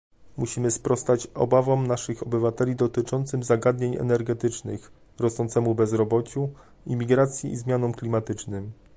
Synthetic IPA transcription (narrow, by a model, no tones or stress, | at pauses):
muɕimɘspɾɔst̪at͡ɕɔ̰bavɔmnaʂɘxɔbɘvat̪ɛlʲid̪ɔt̪ɘt͡ʂɔnt̪sɘmzaɡad̪ɲeɲɛ̰nɛɾɡɛt̪ɘt͡ʂnɘ̰x | ɾɔst̪ɔnt̪sɛmubɛzɾɔbɔt͡ɕu | imʲiɡɾat̪sʲjiʔizmʲjanɔmklʲimat̪ɘt͡ʂnɘm